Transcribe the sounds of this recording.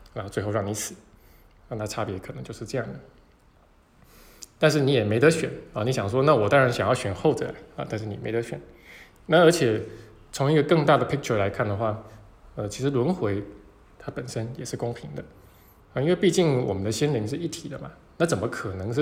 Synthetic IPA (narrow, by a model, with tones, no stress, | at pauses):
ɻnxo˥ʊt͡swe˥˧xo˥˧ɑ˥˩ŋni˧˥sɹ̩˨˩˦ | ŋt̪a˥˧˩ʈ͡ʂʰa˥˩pjɛ˧˥kʰnɤ˧˥ŋt͡ɕjo˥˧ʊʂɻ̩˥˧ʈ͡ʂɤ˥˧jɑ˥˩ŋd̪ə˩ | t̪a˥˧nʂɻ̩˥˩ni˧˥jɛ˨˩me˧˥ɪt̪ə˧˥ɕɥɛ˨˩nə˥˩ni˧˥ɕjɑ˨˩ŋʂ̬wɔ˥na˥˩wɔ˨˩t̪ɑ˥ŋɻa˧˥nɕjɑ˨˩ŋjɑ˥˩ʊɕɥɛ˨˩nxo˥˩ʊt͡sə˨˩la˨˧˦ɪɐ̰˧˦t̪a˥˧nʂ̬̩˥˩ni˨˩me˧˥ɪə˧˥ɕɥɛ̰˨˩˦n | na˥˩ə˞˧˥t͡ɕʰjɛ˨˩ | t͡sʰʊ˧˥ŋi˥˩ɡə˨kɤ˥˧ŋt̪a˥˩d̪ə˩pʰi˥k̚ʈ͡ʂʰə˨˧la˧˥ɪkʰa˥˩nd̪ə˩xwa˥˩ | ə˧t͡ɕʰi˧˥ʂɻ̩˧lwə˧˦˥nxwe˧˥ɪ | t̪ʰa˥pə˨˩nʂə˥njɛ˨˩ʂɻ̩˥˩kʊ˥ŋpʰi˧˥ŋd̪ə˧ | ə˥˧˩i˥nwe˥˧pi˥˧t͡ɕi˥˩ŋwɔ˨˩mə˦nd̪ə˧ɕi˥nli˧˥ŋʂ̬ɻ̩˥˧i˥˩t̪ʰi˨˩d̪ə˦bɐ˩ | na˥˩t͡sə˨˩nmə˦kʰɤ˨˩nɤ˧˥ŋʂ̩˥˩